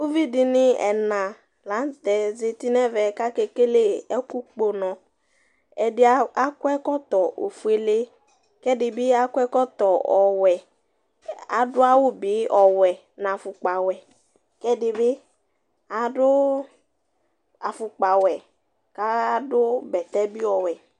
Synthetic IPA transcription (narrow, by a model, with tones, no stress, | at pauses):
o˦vi˦dɪ˨nɪ˦ɛ̰˨nã˨ | la˨˦nt̪ɛ˨ze˨ti˦nɛ˦vɛ˨ka˦ke˨ke˦le˦ɛ˦ku˦k͡po˨nɔ̃˨ | ɛ˨dɪ˦a˦a˦kʊ˦ɛ˦kɔ˦t̪ɔ˨ʔo̰˨fu˨˦e˦le˦ | kɛ˦dɪ˨bɪ˦a˦kʊ˦ɛ˦kɔ˦t̪ɔ˨ɔ˨wɛ˨ | a̰˨dʊ˦a˦wʊ˦bɪ˨˦ɔ˨wɛ˨ | nã˨fʊ˨k͡pa˨wɛ˨ | kɛ˦dɪ˨bɪ˦ | a˨dʊ˦ | a˨fʊ˨k͡pa˨wɛ˨ | ka˦a˦dʊ˦bɛ˨t̪ɛ˦bi˦ɔ˨wɛ˨